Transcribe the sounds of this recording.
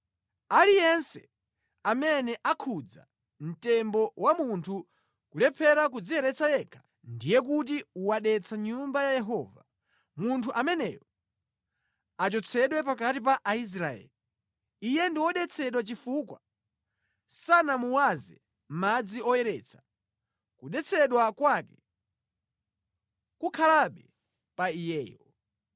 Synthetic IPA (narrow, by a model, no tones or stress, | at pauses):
alijɛnsɛ̥ | amɛnɛʔakʰud͡za̰ | m̩tɛmbɔwamuntʰu | kulɛpʰɛɾak̬ud͡zijɛɾɛt͡sʰajɛːkʰḁ | ndijɛk̬ut̬iuwaɗɛt͡sʰaɲumbajajɛɦɔːva | muntʰuʔamɛnɛ̰jɔ | at͡ʃɔt͡sʰɛɗwɛpak̬atip̬aʔais̬ɾaɛ̰li | ijɛndiwɔɗɛt͡sʰɛɗwat͡ʃifukwa | sanamuwazɛ | m̩mad͡ziɔjɛɾɛt͡sʰḁ | kuɗɛt͡sʰɛɗwakwakɛ | kukʰalaɓɛ | paijɛːjɔ